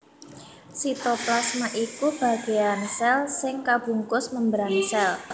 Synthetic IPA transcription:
sit̪oplasmaʔikub̥a̤ɡ̥e̤jansɛlsɪŋkab̥ṳŋkʊsməmbəɾansɛl

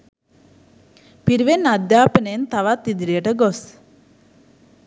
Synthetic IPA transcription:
piɾiʋenad̪jaːpənent̪aʋat̪ːid̪iɾijəʈəɡos

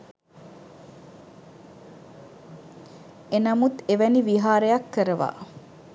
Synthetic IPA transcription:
enɐmut̪eʋæniʋiɦaːɾəjɐkːəɾəʋa̰ː

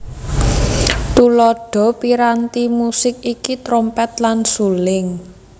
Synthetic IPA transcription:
t̪ulɔɖ̥ɔ̤piɾant̪imusɪk̚ikit̪ɾɔmpɛt̪̚lansulɪŋ

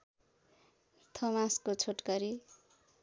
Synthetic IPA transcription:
t̪ʰʌmãskot͡sʰoʈkʌɾi

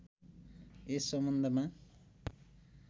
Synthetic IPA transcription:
esʌmbʌnd̪ʱʌma

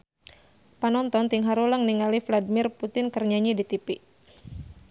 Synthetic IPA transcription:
panɔnt̪ɔnt̪iŋɦaɾulaŋniŋalifladimɪrput̪ɪnkərɲaɲidit̪ipi

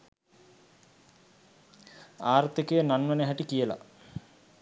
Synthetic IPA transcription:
aːɾt̪ikejənanʋenəɦæʈikijəla̰

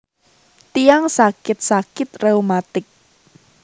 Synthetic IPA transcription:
t̪ijaŋsakɪt̪̚sakɪt̪reumat̪ɪk̚

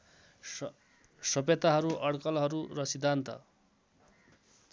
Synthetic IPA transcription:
sʌbjet̪aɦʌɾuʔʌɽkʌlɦʌɾurʌsid̪ʱːant̪ʌ̰

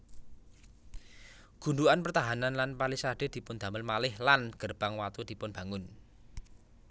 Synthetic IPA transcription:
ɡ̥unduanpərt̪aɦananlanpalisaɖ̥e̤d̪̥i̤pʊnd̪̥ä̤məlmalɪhlanɡ̥ərb̥aŋwat̪ud̪̥i̤pʊnb̥ä̤ŋʊn

